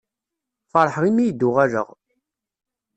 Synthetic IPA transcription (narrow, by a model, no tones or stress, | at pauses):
fɑɾˤħʁimijd̪ːuʁæɾə̰ʁ